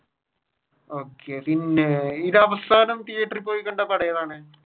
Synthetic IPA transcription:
oːkːepinːeiðɐʋɐst̪ʰaːnɐmt̪ijeʈːripːoːjikːɐɳɖɐpɐɽɐjɐðaːɳɨ

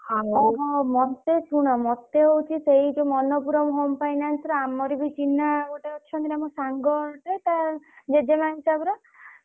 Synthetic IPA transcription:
aɔɦɔmɔt̪et͡ʃʰuɽ̃ɔmɔt̪ːeɦowt͡ʃʰiseɦid͡ʒomɔnɔpuɾɔmɦompajnansɾɔamɔɾibit͡ʃinaɡoʈaɔʃʰɔnt̪iɾamɔsaŋɡɔɾʈɔjt̪ad͡ʒed͡ʒemansabuɾɔ

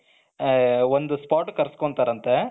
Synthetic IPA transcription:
ond̪uspaːʈkɐɾɐskoɳɖt̪aːɾɐnt̪e

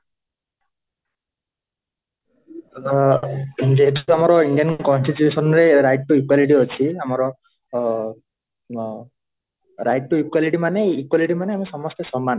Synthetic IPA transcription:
d͡ʒeɦetuamɔɾɔiɳɖiankɔnsʈit̪jusɔnɾeɾajʈ̚ʈuikwaliʈ̬iɦɔt͡ʃʰiamɔɾɔ | ɾajʈ̚ʈuikwaliʈimaneikwaliʈimaneamisɔmɔst̪esɔmːan

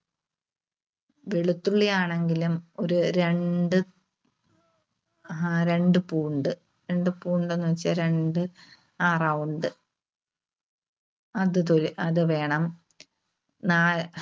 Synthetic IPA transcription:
ʋiɭut̪ːuɭːijaːɳe̞ŋɡilumo̞ɾuɾe̞ɳɖɨ | aɾe̞ɳɖɨpuːɳɖɨ | ɾe̞ɳɖɨpuːɳɖe̞nːuʋɐt͡ɕːaɾe̞ɳɖɨ | aːrɐwuɳɖɨ | ɐðɨt̪oliʔɐðɨʋe̞ːɳɐm | naː

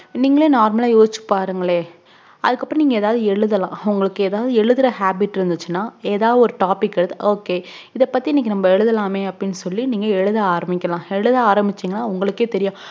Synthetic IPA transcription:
niːŋɡɐɭeːnaːɾmɐlaːjoːsɪt͡ʃːɯ̥pːaːɾɯŋɡɐɭeː | ʔɐ̰ðɯkːɐpːɾõniːŋɡɐɛːðaːʋðɯɛɻɯðɐlãːɐʋʊŋɡɐɭɯkːɯɛːðaːʋɐðɯɛɻɯðɯɾɐhaːbɪʈːɪɾɯnd̪ɯt͡ʃːɯnːaːeːðaːʋðɐɔɾɯʈaːpɪkːɛɽɯðɯoːkːeː | ɪðɛpːɐt̪ːiɪnːɛkːɯnɐmbɐɛɻɯðɐlaːmeːɐpːɐɽɪnːɯsɔlːiniːŋɡɐɛɻɯðɐaːɾɐmɪkʲːɐlãːɛɻɯðɐaːɾɐmbɪt͡ʃːiːŋɡɐnːaːʊŋɡɐɭɯkːeːt̪ɛɾɪjʊ̃ː

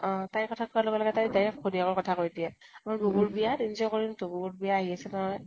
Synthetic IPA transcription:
ɔ̃taɹkɔtʰakɔalɔɡɛlɔɡɛtajdajapkʰodiaɡɔɹkɔtʰakojdijɛamaɹbubuɹbijatinzɔkoɹintububuɹbijaːɦiasɛnaɦɔj

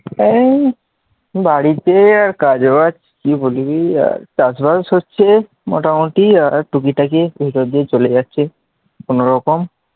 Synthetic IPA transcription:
ɛ | baɽit̪eaɾkad͡ʑobat͡ʃkibolibia̰ɾt͡ʃasbasɦotːɕʰe | mɔ̰ʈamoʈiaɾʈukiʈakebʱit̪od̪iet͡ɕolejatːɕʰe | konoɾɔkom

